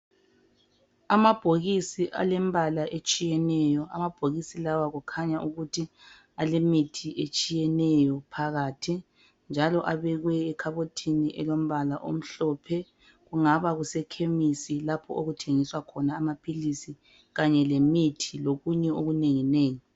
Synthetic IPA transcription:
amab̥ʱoɣisiʔa̰lɛmbʱalaʔet͡ʃʼijɛnɛjɔamab̥ʱoɣisilawaɣukʰaɲaʔuɣutʰi | alemitʰiʔet͡ʃʼijɛnɛjɔpʰaɣaːtʰi | nd͡ʒʱalɔʔaβɛɣwɛːkʰaβotʰiniʔɛ̰lom̩βalaʔo̰m̩ɬɔːpʰɛ | ɣuŋaβaɣusɛkʰemisilapʰɔ̰ʔoɣutʰeŋiswakʰɔnaːmapʰilisi | ɣaɲɛlemitʰiloɣuɲɛoɣuneŋineːŋi

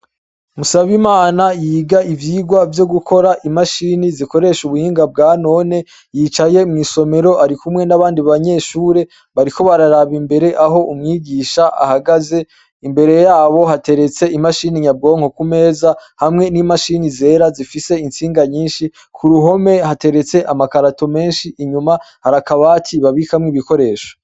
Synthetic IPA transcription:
musaβimaːnajiːɡaʔivjiːɡwavjo̞ɡukʰo̞ɾaʔimaʃiniziko̞ɾe̞ʃuβuhiːŋɡab̚ɡaːno̞ne̞ | jit͡ʃaje̞mŋiːso̞me̞ɾo̞ʔaɾikumŋe̞naβaːndiβaɲe̞ʃuːɾe̞ | βaɾikʰo̞βaɾaɾaβimbe̞ɾe̞ʔaɦo̞ʔumŋiːɡiːʃaʔa̰haɡaze̞ | imbe̞ɾe̞jaːβo̞ɦate̞ɾe̞t͡se̞imaʃiːniɲab̚ɡo̞ːŋ̥o̞kume̞ːzahamŋe̞nimaʃinizeːɾazifise̞int͡siːŋɡaɲiːnʃi | kʰuɾuɦo̞me̞hate̞ɾe̞t͡se̞ʔamakaɾato̞me̞ːnʃiʔiɲuma | haɾakaβaːtʰiβaβikamŋiβiko̞ɾe̞ːʃo̥

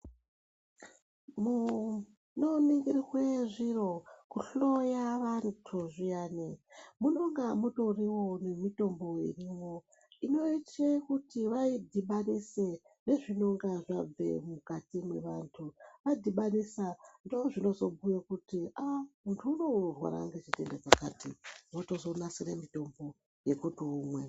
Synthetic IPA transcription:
mu | noniŋɡiriɣweʐiro̞kuɬo̞jaʋantʰuʐijaːnemuno̞ŋɡamuto̞riwo̞ne̞mito̞mbo̞ḛrimo | ino̞itekutiʋaidʱiɓanise | ne̞ʐino̞ŋɡaʐab͡ve̞̰mukatimwe̞̰ʋantʰuʋaidʱiɓanisandoʐino̞zo̞bujekutiamuntʰuːno̞rwa̰ɾa̰ŋɡet͡ʃite̞ndekakatiwoto̞zo̞nasiremito̞mbo̞ | je̞kutuumwe̞̰

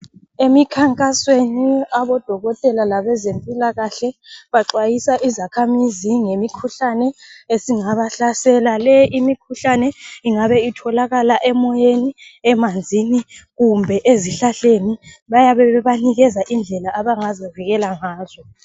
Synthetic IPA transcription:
emikʰaŋkʼasweniaβɔd̥ʱɔɣɔtʼɛlalaβɛzempʼilaɣaɬɛβaǃwajisaʔizakʰamiziŋemikʰuɬanɛesiŋaβaɬasɛlalɛʔimikʰuɬanɛiŋaβɛitʰɔlaɣalaʔɛmɔjeniɛmand͡zʱiniɣumbʱɛʔeziɬaɬeniβajaβɛβɛβaniɣɛzaʔind͡ɮʱɛlaʔaβaŋazaviɣɛlaŋaːzɔ

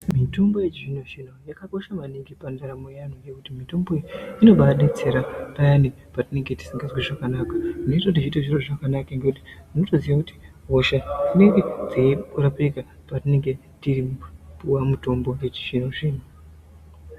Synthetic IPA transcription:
mito̞mbo̞jet͡ʃiʐino̞t͡ʃinojakako̞ʃamaniŋɡipandaɾamojanojekutimito̞mbo̞ino̞ɓaɗet͡se̞ɾatajani | patine̞ŋɡe̞ti̥siŋɡazwiʐakanakanetodit͡ʃitiʐiroʐakanakaŋɡe̞kuti̥munoto̞ziʋwakuti̥ɦoʃatine̞ŋɡe̞d͡ziiurapika | patine̞ŋɡe̞ | tiripuwamuto̞mbo̞je̞t͡ʃi̥ʐinoʐiːno

